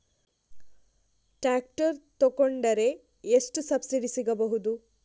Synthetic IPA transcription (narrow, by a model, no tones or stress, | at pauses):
ʈaːk̚ʈɐɾt̪okoɳɖɐɾe̞ | esʈusɐbsiɖisiɡɐbɐɦud̪u